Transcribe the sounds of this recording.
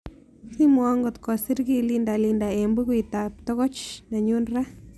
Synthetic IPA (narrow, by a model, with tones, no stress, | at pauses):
si˦mwɔ˦ŋɡot̪kɔ˨si˦ɾki˦linda˨linda˨embu˦kwit̪ap̚t̪ɔ˦ɣɔ˦t͡ʃna˨ɲu˦nra˦